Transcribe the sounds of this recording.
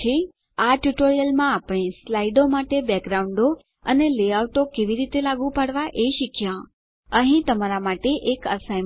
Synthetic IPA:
e | aʈjuʈoɾijəlmãːpɽ̃ẽslaiɖomaʈebɛkɾaũɳɖo | əneleauʈokeʋiɾit̪elaɡũpaɽʋaʔeʃikʰjã | əɦĩt̪əmaɾamaʈeʔekəsaj

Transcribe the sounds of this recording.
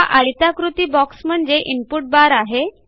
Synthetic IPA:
aʔaɭit̪akɾut̪iːbɔksm̤əɳd͡zeʔimpuʈ̚baɾaɦe

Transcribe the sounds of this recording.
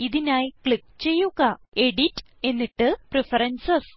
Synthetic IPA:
iðinaːjkɭikːt͡ɕe̞jːuɣɐe̞ɽitː | e̞nːiʈːɨprefɐɾɐnsɐs

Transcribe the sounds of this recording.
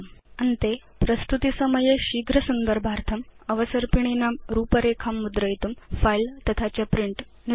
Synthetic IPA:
ɐnt̪epɾəst̪ut̪isəməjeɕiɡʱɾəsund̪əɾbʱaɾt̪ʰəmɐʋəsəɾpiɳ̃inamɾuːpəɾekʰamːud̪ɾəjit̪umfailt̪ɐt̪ʰat͡ɕjapɾiɳʈ | n

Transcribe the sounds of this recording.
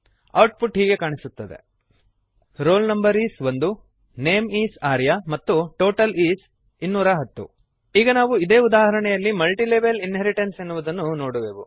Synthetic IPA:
ɐwʈ̚pʰuʈɦiːɡe̞kaːɳisut̪ːɐd̪e̞̰ | ɾoːlnɐmbɐɾiːsʋond̪u | ne̞ːmiːsaːɾjamɐt̪ːuʈo̞ːʈɐliːs | inːuːɾɐɦɐt̪ːṵ | iːɡɐnaːʋuid̪eːud̪aːɦɐɾɐɳɛjɐlːimɐlʈileːbelinɦeɾiʈensenːuʋud̪ɐnːunoːɽuʋeːʋu

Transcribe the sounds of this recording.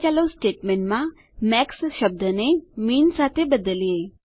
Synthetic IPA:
t͡ɕaləwsʈeʈmeɳʈma | mɛksɕəb̚d̪ʱənemiːnsat̪ʰebəd̪əlije

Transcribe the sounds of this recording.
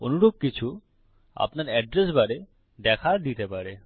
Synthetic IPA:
o̰nuɾob̚kit͡ɕʰu | a̰pnaɾɛɖɾesbaɾe | d̪ɛkʰad̪it̪epaɾe

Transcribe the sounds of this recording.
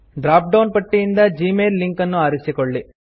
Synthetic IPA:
ɖɾaːp̚ɖɐwnpɐʈːiind̪ɐd͡ʒiːmeːlliŋkɐnːuaːɾisikoɭːi

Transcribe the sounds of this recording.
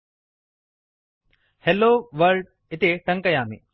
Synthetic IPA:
heloːʋəɾɖ̚ | ɪt̪eʈɐ̃ŋkɐjaːmḛː

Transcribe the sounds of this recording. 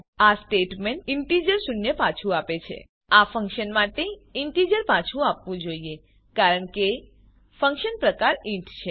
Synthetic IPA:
asʈeʈmeɳʈɪɳʈid͡ʒəɾsunjəpat͡ʃʰũapet͡ʃʰḛ | afə̃ŋkʃənmaʈeɪɳʈid͡ʒəɾpat͡ʃʰũapʋũd͡ʒoie | kaɾəɳke | fə̃ŋkʃənpɾəkaɾĩʈt͡ʃʰe

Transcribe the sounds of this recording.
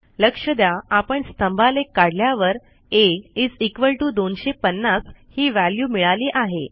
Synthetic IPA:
ləkʂəd̪jaapəɳst̪əmbʱalekːaɽljaʋəɾ | eid͡zikʋəɭʈuːd̪onɕepənːashiːʋæljuːmiɭaliːʔaɦe

